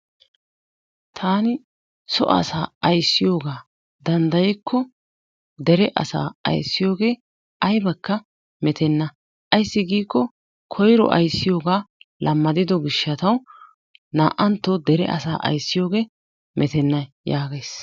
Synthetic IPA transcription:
t̪ʰaːnɪ | sɔ̰ʔɐ̰saːɐjsːɪjo̞ːɡaː | d̪ɐnd̪ɐjɛkʰːɔ | d̪ɛɾɛʔɐ̰sa̰ːɐ̰jsːɪjo̞ːɡe̞ː | ʔɐjbɐkːɐ | mɛt̪ʰɛnːɐ | ʔɐjsːɪɡiːkːɔ | kʰɔjɾɔ̰ʔɐ̰jsːɪjo̞ːɡaːlʔɐmːɐd̪ɪd̪ɔɡɪʃːɐt̪ɐw | na̰ːʔɐnt̪ːɔd̪ɛɾɛ̰ʔɐ̰sa̰ːʔɐ̰jsːɪjo̞ːɡe̞ː | mɛt̪ɛnːɐj | jaːɡejs

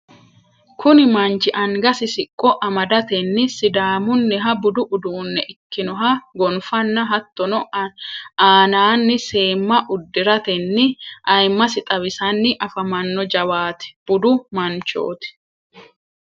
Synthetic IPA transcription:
kʊnɪmɐnt͡ʃɪʔɐŋɡɐsɪsɪkʼːɔʔɐmɐd̪ɐt̪ɛnːɪsɪd̪aːmʊnːɛɦɐbʊd̪ʊʔʊd̪uːnːɛʔɪkːɪnɔɦɐɡɔnfɐnːɐɦɐt̪ːɔnɔ | aːnaːnːɪse̞ːmːɐʔʊd̪ːɪɾɐt̪ɛnːɪʔɐjmːɐsɪt̪ʼɐβɪsɐnːɪʔɐfɐmɐnːɔd͡ʒɐwaːt̪ɪ̥b̥ʊd̪ʊmɐnt͡ʃo̰ːt̪ɪ̥

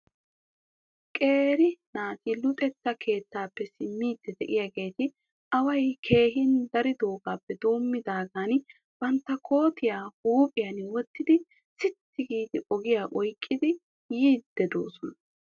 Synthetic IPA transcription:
kʼe̞ːɾɪnaːt̪ilʊt̪ʼɛt̪ːɐkʰe̞ːt̪ːaːpːɛsɪmːiːd̪ːɛd̪ɛ̰ʔɪjaːɡe̞ːt̪ɪ | ʔɐwɐjkʰe̞ːɦɪnd̪ɐɾɪd̪o̞ːɡaːpːɛd̪oːmːɪd̪aːɡaːn | b̥ɐnt̪ːɐkʰo̞ːt̪ʰɪjaːhuːpʼɪjɐnwɔt̪ːɪd̪ɪ | sɪt̪ːɪɡiːd̪ɪʔɔɡɪjaːʔɔjkʼːɪd̪ɪ | jiːd̪̥ːɛd̪o̞̰ːsɔnɐ

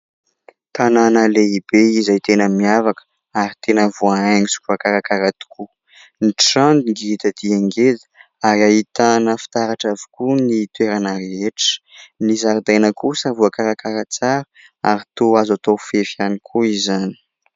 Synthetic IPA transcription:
t̪ananəleibeizajt̪enəmiavakə̥ | aɾit̪enəvuaaŋisu̥kuakaɾakaɾat̪i̥kʰu | niʈ͡ʂand̪iŋɡiit̪əd̪ieŋɡezə̥ | aɾaɦit̪anəfi̥t̪aɾaʈ͡ʂavi̥kunit̪ueɾanəɾeʈ͡ʂə̥nizaɾid̪enəkusavuakaɾakaɾat͡saɾə | a̰ɾit̪oazat̪ofefjanikʰuizani̥

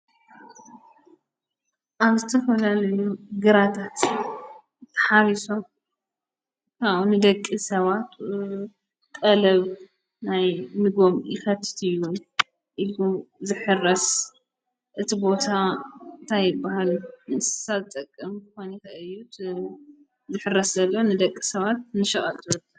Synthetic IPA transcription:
ʔaβzɨt̪ʰɐfɐlalɐjuɡɨɾat̪ʰat̪ | t̪ʰːɐ̥ħaβiso̞m | kanɨd̪ɐkʼːisɐβat̪ | kʼɐlɐβ | najmɨɡo̞mjʔɪkɐt̪ʰːɨ̥t̪ʰɨjːu | ʔiluzɨħɨrɐs | ʔɨt̪ʰibo̞t̪ʰannt̪ʰajɪbːahalnɨssazɨt̪ʼɐkʼːɨmkɨxonixɐɨjːu | zɨħɨrːɐszɐlːoonɨd̪ɐkʼːisɐβat̪̚nɨʃɐχʼɐ̰lt̪ʰɨwɐd̪ɐ

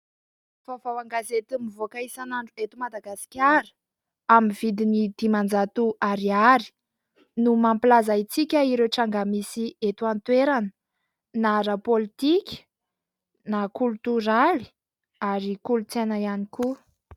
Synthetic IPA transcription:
vavawaŋɡazet̪umivokaisanaɳɖ͡ʐuet̪umad̪aɡasi̥kʲaɾə̥ | amiv̥id̪inid̪̥imand͡zat̪uʔaɾiaɾi̥ | numampilazait͡sikʲəiɾewʈ͡ʂaŋɡamisiet̪uant̪weɾanə | naɾəpolit̪ikʲə̥ | nakult̪uɾali̥ | aɾikulut͡senaianiku

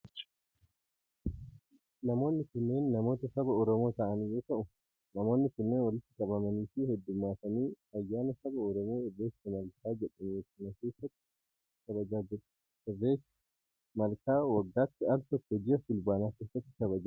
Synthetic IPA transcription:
nɐmo̞ːnːɪkʊnːe̞ːnːɐmo̞ːt̪ɐsɐbɐɔɾɔmo̞ːt̪ɐʔɐnjo̞ːt̪ɐʔʊ | nɐmo̞ːnːɪkʊnːeːnwɐlɪt̪ːɪkʼɐbɐmɐniːfihɛd̪ːʊmːaːfɐniː | ɐjːaːnɐsɐbɐɔɾɔmo̞ːɪrːe̞ːsɪmɐlkaːd͡ʒɛᶑɐnjoːkːɪnɐke̞ːsːɐt̪ːɪ̥ | kɐbɐd͡ʒaːd͡ʒɛᶑɐ̥ | ɪrːe̞ːs | mɐlkaːwɐɡːaːt̪ːɪɐɾt̪ɔt̪ːɛd͡ʒɪɐfɪlbaːnaːke̞ːsːɐt̪ːɪ̥kɐβɐd͡ʒaː

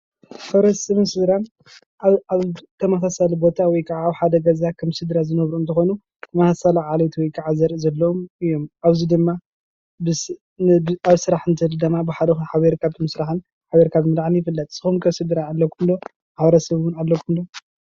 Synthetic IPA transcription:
fɐɾɐsɨβɨnsɨd̪ɾan | aβt̪ʰɐmɐsasalibo̞t̪ʰawɔjkʰʼaʕaːβħad̪ɐɡɐzakʰɐmsɨd̪ɾazɨnɐβɾuːnt̪ʰɨxo̞nu | mɐsasalaʕalɐt̪ʰiwɔjkʰʼːaʕazɐɾʔɨzɐlːɐomɨjːomʔaβzid̪ɨmːa | bɨ | aβsɨɾaħɨnt̪ʰɨhld̪ɨmːabɨħad̪ɐxħaβeɾkʰaβmɨsɾaħɨn | ħaβeɾkʰaβmɨlaʕnjɪfɨlːɐt̪ʼsɨxumkʰɐsɨd̪ɾaːlːɐkʰumlo̞ | ħaβɐɾɐsɐβwʊnalːɐkʰumlo

